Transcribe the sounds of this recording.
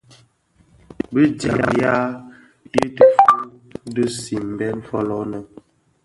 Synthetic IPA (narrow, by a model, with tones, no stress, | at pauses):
bə˦d͡ʒa˨ja̰˨ja˦ | ji˦tə˨fu˦də˦si˨m˨bɛ˦n˦fɔ˦lɔ˦nə˨